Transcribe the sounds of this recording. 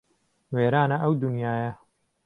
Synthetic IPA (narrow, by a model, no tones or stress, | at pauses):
weːɾaːnɐʔɐwd̪unjaːjɐ